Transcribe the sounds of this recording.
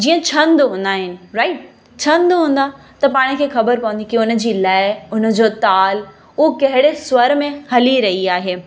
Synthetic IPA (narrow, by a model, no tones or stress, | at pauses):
d͡ʑiːə̃t͡ɕʰɐ̃nd̪ɦũːn̆d̪aːɦɪnɪ̆ɾaːɪʈ̚ | t͡ɕʰɐ̃nd̪ɦũːn̆d̪a | t̪ɐpaːɽ̃ɪkʰeːxɐbəɾpɐʋə̃nd̪ikɪʊn̆d͡ʑiːlaːɪʊn̆d͡ʑoːt̪aːl | ʊɦokɐɦɪɽeswɐɾmẽhɐliɾɐɦiaːɦeː